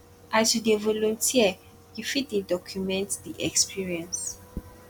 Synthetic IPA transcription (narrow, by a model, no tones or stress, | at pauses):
ʔajtudevɔlɔ̃ntʰiə | ɡifit̚dedɔkʰjumɛ̃ntdiʔɛkspʰiɹiɛ̃ns